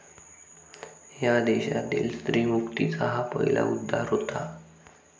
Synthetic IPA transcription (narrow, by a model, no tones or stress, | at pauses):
jad̪eɕat̪iːlst̪ɾiːmukt̪it͡saɦapəɦila̰ud̪ʱːaɾɦot̪a